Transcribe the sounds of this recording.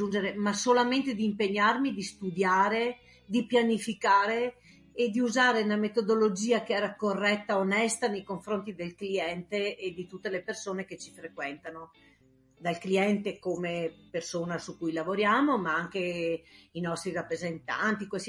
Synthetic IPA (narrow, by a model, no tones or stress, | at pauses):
und͡ʒeɾemasolament̪ed̪iːmpeɲːarmid̪ist̪ud̪jaːɾe | d̪ipjanifikaːɾeː | d̪iuzaːɾeunamet̪od̪olod͡ʒiːakeɛːɾakorːɛt̪ːaonɛst̪anejkoɱfɾont̪id̪elkliɛnt̪eːd̪it̪ut̪ːelepersoːneket͡ʃi̥fɾekwɛnt̪ano | d̪alkliɛnt̪ekomepersoːnasukujlavoɾjaːmomaaŋke | inɔst̪ɾirapːɾezent̪a̰nt̪ikes